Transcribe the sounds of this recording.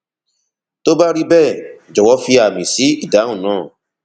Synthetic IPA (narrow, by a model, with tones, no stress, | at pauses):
to˦ba˦ɾi˦bɛ˦˨d͡ʒɔ˨wɔ˨˧˦fi˧a˨mĩ˨si˨˦i˦˨da˨˦ũ˦˨nãː˦˨